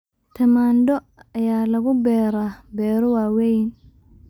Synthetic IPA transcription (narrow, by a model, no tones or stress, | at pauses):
t̪ʰɐmaːnd̪ɔ | ɐjaːlɐɣʊbɛːɾabɛːɾɔwaːwɛjn